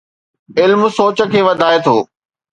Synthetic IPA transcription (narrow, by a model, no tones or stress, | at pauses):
ɪlmsoːt͡ɕə̆kʰeːʋɐd̪ʱaːet̪ʰo̰ː